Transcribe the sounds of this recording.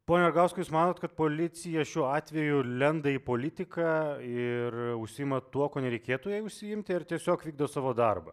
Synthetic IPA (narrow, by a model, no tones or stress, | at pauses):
poːnʲɛɐɾɡɑʊskojuːsmɑːnoːt̪kɐt̪̚poːlʲɪt̪sʲɪjɛʃʲuːɑːt̪ʲʋʲɛjʊlʲɛnd̪ɐiːpoːlʲɪt̪ʲɪkɑɪrʊʃʲsʲɪɪmɐt̪uɔkoːnʲɛɾʲɛɪkʲeːt̪ʊjɛɪʊʃʲsʲɪjɪmʲt̪ʲɪɪrt̪ʲiɛsʲoːkʋʲiːɡd̪oːsɑːʋoːd̪ɐrbɐ̰